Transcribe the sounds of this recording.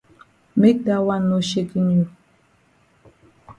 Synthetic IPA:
me˦k̚da˦wa˦˨nːo˨ʃe˦ki˦ɲu˨

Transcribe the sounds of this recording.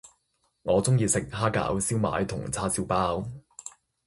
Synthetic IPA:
ŋɔː˨˧t͡sʊ˥ŋjiː˧sɪ˨k̚ɦaː˥ka̰ː˨˥wsiː˥wma̰ː˨˧˥jt̪ʰʊ˨˩ŋt͡sʰaː˥siː˥wpaː˥w

